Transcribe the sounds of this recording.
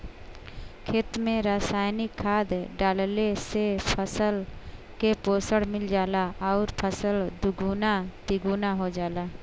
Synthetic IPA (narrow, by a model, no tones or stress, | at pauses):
kʰeːt̪mẽɾaːsaːjnɪkʰːaːd̪ɖaːllesepʰəsəl | kepoːsəɽmɪld͡ʒaːlaɔːɾpʰəsəld̪ʊɡuːnat̪ɪɡuːnaɦod͡ʒaːlaː